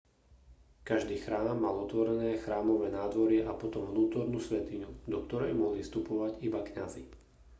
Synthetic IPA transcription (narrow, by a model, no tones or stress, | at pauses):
kaʒd̪iːxɾaːmːalɔt̪ʋɔɾɛnɛːxɾaːmɔʋɛːnaːd̪ʋɔɾɪɛʔapɔt̪ɔmʋnuːt̪ɔɾnuːsʋɛt̪iɲud̪ɔk̚t̪ɔɾɛjmɔɦlifst̪upɔʋaɟibakɲazi